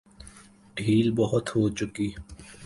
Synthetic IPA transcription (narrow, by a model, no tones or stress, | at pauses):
ɖʱiːlbɔɦʊt̪hoːt͡ʃʊkiː